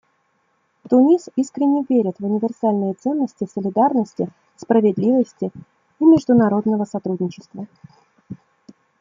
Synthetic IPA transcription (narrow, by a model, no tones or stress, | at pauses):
t̪ʊnʲisiskɾʲɪnʲːɪvʲeɾʲɪt̪vʊnʲɪvʲɪrsalʲnɨjət̪sɛnːəsʲtʲɪsəlʲɪd̪arnəsʲtʲɪ | spɾəvʲɪd̪lʲivəsʲtʲɪ | imʲɪʐd̪ʊnɐɾo̞d̪nəvəsɐt̪ɾudʲnʲɪt͡ɕɪ̥st̪və